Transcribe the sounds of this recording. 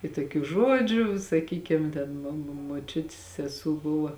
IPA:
ɪ toːˈkʲuː ˈʒuɔd͡ʒʲʊ sɐˈkʲiːkʲɪm ˈtʲɛn moː moː moːˈt͡ʃʲʊtʲɪs sʲɛˈsuː ˈbʊʋɐ

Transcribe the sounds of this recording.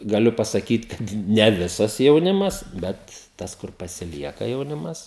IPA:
ɡɐˈlʲʊ pɐsɐˈkʲiːt ˈkɐt nʲɛ ˈʋʲɪsɐs jɛʊˈnʲɪmɐs ˈbʲɛt ˈtɐs kʊr pɐsʲɪˈlʲiɛkɐ jɛʊˈnʲɪmɐs

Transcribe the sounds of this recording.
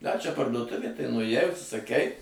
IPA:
dɐ t͡ʃʲɛ pɐrduɔˈtʊʋʲeː tɐɪ nʊeːˈjɛɪ ʊʃʲsʲɪsɐˈkʲɛɪ

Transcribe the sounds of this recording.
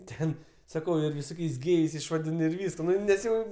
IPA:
ˈtʲɛn sɐˈkɐʊ ɪr ʋʲɪˈsoːkʲɛɪs ˈɡʲeːjɛɪs ɪʃʋɐˈdʲɪn ɪr ˈʋʲiːskɐ ˈnʊ nʲɛs ˈjɛʊ

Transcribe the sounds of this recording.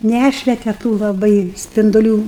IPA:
ˈnʲæʃʲʋʲɛtʲɛ tuː lˠɐˈbɐɪ sʲpʲɪndʊˈlʲuː

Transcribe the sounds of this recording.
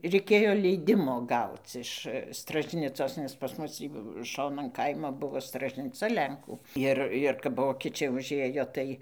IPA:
rʲɛɪˈkʲeːjoː ˈlʲɛɪdʲɪmoː ˈɡɐʊt͡s ɪʃ strɐʒʲˈnʲɪt͡soːs nʲɛs pɐs ˈmʊs tʲiː ˈʃoːnɐn ˈkɐɪmoː ˈbʊʋoː strɐʒʲnʲɪˈt͡sɐ ˈlʲɛŋkuː ˈɪr ɪr kɐp ˈʋoːkʲɛt͡ʃʲɛɪ ʊʒʲˈeːjoː ˈtɐɪ

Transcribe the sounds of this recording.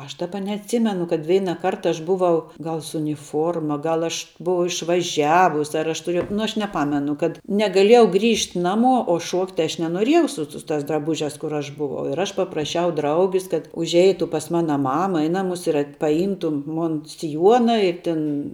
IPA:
ˈɐʃ ˈdɑːbɐ nʲɛɐtʲˈsʲɪmʲɛnʊ kɐt ˈʋʲɛɪnɐˌkɐrt ˈɐʃ ˈbʊʋɐʊ ˈɡɐlˠ sʊ ʊnʲɪˈfuɔrmɐ ˈɡɐlˠ ˈɐʃ ˈbʊɐʊ ɪʃʋɐˈʒʲæːʋʊs ɐr ˈɐʃ tʊˈrʲiɛjɛʊ nʊ ˈɐʃ nʲɛˈpɑːmʲɛnʊ kɐt nʲɛɡɐˈlʲiɛjɛʊ ˈɡrʲiːʃʲtʲ ˈnɑːmuɔ oː ˈʃuɔktʲ ˈɐʃ nʲɛnoːˈrʲiɛjɛʊ ˈsʊ sʊ tɑːs drɐˈbʊʒʲæːs kʊr ˈɐʃ bʊˈʋɐʊ ɪr ˈɐʃ pɐprɐˈʃʲɛʊ ˈdrɐʊɡʲɪs kɐt ʊʒʲˈɛɪtʊ pɐs ˈmɑːnɐ ˈmɑːmɐ ɪ ˈnɑːmʊs ɪr ɐt pɐˈjiːmtʊ ˈmʊn sʲɪˈjuɔnɐ ɪ ˈtʲɪn

